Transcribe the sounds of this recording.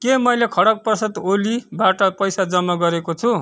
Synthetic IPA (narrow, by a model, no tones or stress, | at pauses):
kemʌjlekʰʌɽʌk̚prʌsʌt̪olibaʈʌpʌjsad͡zʌmːaɡʌɾekot͡sʰu